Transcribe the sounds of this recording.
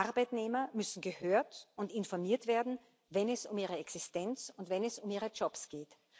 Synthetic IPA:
ʔaɐbaɪtneːmɐmʏsn̩ɡəhøːɐtʊntɪnfɔɐmiːɐtv̥eːɐdn̩ | vɛnɛsʊmiːʁ̞əɛksɪstɛnt͡sʊntvɛnɛsʊmiːʁəd͡ʒɔpsɡ̥eːt

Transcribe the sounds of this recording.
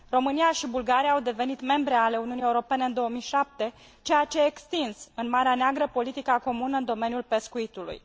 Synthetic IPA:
ro̞mɨnijaʃibulɡaɾijaːwd̪e̞ve̞nit̪me̞mbɾe̞ale̞uniunijeuɾo̞pe̞ne̞ɨnd̪o̞omijʃap̚t̪e̞ | t͡ʃe̞jat͡ʃe̞ːkst̪insɨnmaɾeaneaɡɾəpo̞lit̪ikako̞munəɨnd̪o̞me̞njulpe̞skuit̪ulṵj

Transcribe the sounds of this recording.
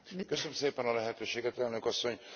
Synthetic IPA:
kø̞smseːpɛnɒlɛɦɛt̪øːʃeːɡɛt̪ɛlnø̞kɒsːo̞ɲ

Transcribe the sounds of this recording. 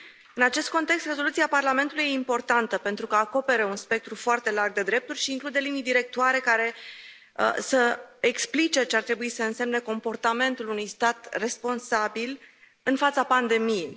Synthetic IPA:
ɨnat͡ʃe̞st̪̚ko̞nt̪e̞kst̪re̞zo̞lut̪siaparlame̞nt̪ulujeimpo̞rt̪ant̪əpe̞nt̪ɾukəako̞pe̞ɾeunspe̞k̚t̪ɾufoart̪e̞larɡ̚d̪e̞d̪ɾe̞p̚t̪urʲʃiːŋklud̪e̞linid̪iɾe̞k̚t̪uaɾe̞kaɾe̞ | səeksplit͡ʃe̞t͡ʃeart̪ɾe̞buisəɨnse̞mne̞ko̞mpo̞rt̪ame̞nt̪ulunujst̪at̪re̞spo̞nsabil | ɨnfat̪sapand̪e̞mije

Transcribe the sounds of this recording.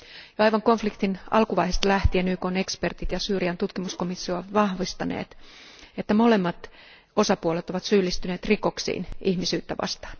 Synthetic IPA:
jɑɑjʋɑŋkoɱflikt̪inɑ̰lkuʋɑihest̪læht̪ienyːkone̞kspert̪it̪jɑsyːriɑnt̪ut̪kimuskomisːiɑʋɑhʋist̪ɑnḛːt̪et̪ːæmolemːɑt̪ | osɑpuolet̪oʋɑt̪syːlːist̪yneːt̪riko̞ksḭːnʔihmisyːt̪ːæʋɑ̰st̪ɑ̥ːn

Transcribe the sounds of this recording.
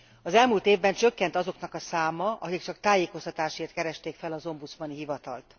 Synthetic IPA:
ɒzɛlmult̪eːvbɛnt͡ʃø̞kːɛnt̪ɒzo̞knɒkɒsaːmɒɒ̰ɦikt͡ʃɒkt̪aːjeːko̞st̪ɒt̪aːʃeːrt̪kɛɾɛʃt̪eːkfɛlɒzo̞mbut̪smɒniɦivɒt̪ɒ̰lt̪

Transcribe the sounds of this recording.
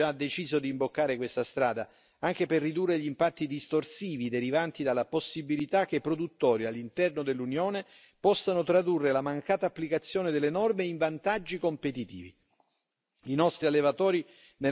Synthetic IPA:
ad̪ːet͡ʃiːzod̪iːmbokːaːɾekwest̪ast̪ɾaːd̪a | aŋk̟eperːid̪urːeʎimpat̪ːid̪ist̪orsiːvid̪eɾivant̪id̪alːaposːibilit̪ak̟ːepːɾod̪ut̪ːɔːɾialːint̪ɛrnod̪elːunjoːne | pɔsːanot̪ɾad̪urːelamaŋkaːt̪aːpːlikat̪sːjoːned̪elːenɔrmeiɱvant̪ad͡ʒːikompet̪it̪ḭːvḭ | inɔst̪ɾialːevat̪ɔːɾi | ne

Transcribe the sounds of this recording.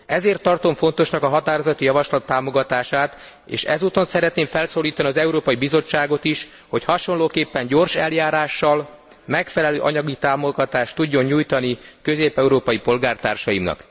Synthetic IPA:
ɛzeːrt̪ːɒrt̪o̞ɱfo̞nt̪o̞ʃnɒkɒɦɒt̪aːɾo̞zɒt̪ijɒvɒʃlɒt̪ːaːmo̞ɡɒt̪aːʃaːt̪ | ḛːʃɛ̰zuːt̪o̞nsɛɾɛt̪neːɱfɛlsoːliːt̪ɒniɒzɛuɾoːpɒjibizo̞t͡ʃːaːɡo̞t̪iʃ | ho̞chɒʃo̞nloːkeːpːɛɲɟo̞rʃɛljaːɾaːʃːɒl | mɛkfɛlɛløːʔɒɲɒɡit̪aːmo̞ɡɒt̪aːʃt̪ːuɟːo̞ɲɲuːjt̪ɒnikø̞zeːpɛuɾoːpɒipo̞lɡaːrt̪aːrʃɒjimnɒ̰k

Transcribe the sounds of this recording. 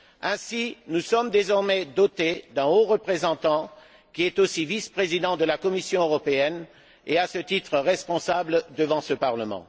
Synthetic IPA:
ɛ̃sinusɔmd̪ezɔʁmɛd̪ɔt̪ed̪ɛ̃oʁəpχezɑ̃t̪ɑ̃ | kʲiɛt̪osivispχezid̪ɑ̃d̪əlakɔmisjɔ̃øʁɔpeɛn | easət̪it̪χəʁɛspɔ̃sabld̪əvɑ̃səpaʁləmɑ̰̃

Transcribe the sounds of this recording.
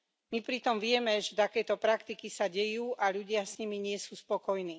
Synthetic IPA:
mipɾit̪ɔmʋɪɛmɛʒɛt̪akɛːt̪ɔpɾakt̪ikisaɟɛjuːʔaʎuɟɪasɲimiɲɪɛsuːspɔkɔjniː

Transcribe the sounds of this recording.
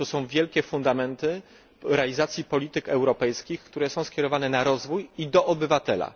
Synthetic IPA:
t̪ɔsɔ̃w̃vʲjɛlkʲɛfund̪amɛnt̪ɘ | ɾɛalʲizat̪sʲjipɔlʲit̪ɘkɛwɾɔpɛjskʲixkt̪uɾɛsɔ̃w̃skʲɛɾɔvanɛnaɾɔzvujid̪ɔʔɔbɘvat̪ɛla̰

